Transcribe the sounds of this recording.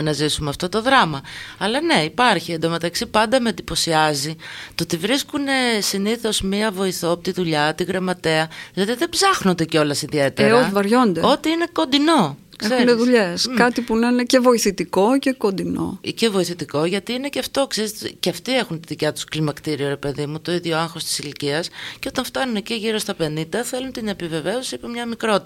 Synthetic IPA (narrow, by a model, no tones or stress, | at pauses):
nɐzisumeɐft̪ot̪o̞ðɾɐmɐɐlɐne̞ipɐɾçiend̪ome̞t̪ɐksipɐnd̪ɐmend̪ipo̞siɐzit̪ot̪ivɾiskune̞siniθo̞zmiɐvo̞iθopot̪iðuʎɐːt̪iɣɾemɐt̪e̞ɐʝot̪iðebzɐxno̞nd̪eceo̞lɐsiðie̞t̪eeɾovɐɾʝo̞nd̪eo̞t̪iine̞ko̞nd̪ino̞ | keseuneðuʎeskɐt̪ipunenecevo̞iθit̪iko̞cekond̪ino̞̰ce̞vo̞iθit̪iko̞ʝɐt̪iine̞ceɐft̪o̞kseɾzt̪ceɐft̪ie̞xunt̪iðicɐt̪u̥sklimɐkt̪iɾioɾe̞pe̞ðimut̪o̞iðʝo̞ɐŋxo̞st̪i̥siliciɐsceo̞t̪ɐɱft̪ɐnuneciʝiɾo̞st̪ɐpe̞nind̪ɐθe̞lunt̪ine̞pive̞ve̞osipemɲɐmikɾo̞t̪